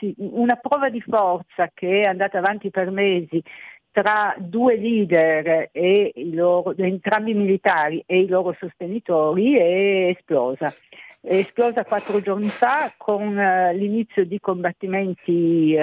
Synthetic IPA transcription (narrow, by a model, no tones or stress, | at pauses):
iunapɾɔːvad̪ifɔrt̪sakeɛand̪aːt̪avant̪ipermeːzit̪ɾad̪ueliːd̪ɛɾeilɔːɾod̪ent̪ɾambimilit̪aːɾiʔeilɔːɾosost̪enit̪ɔːɾiɛːsplɔːzaeːsplɔːzakwat̪ːɾod͡ʒornifakʰoŋlinit̪sːjod̪ikombat̪ːimɛnt̪i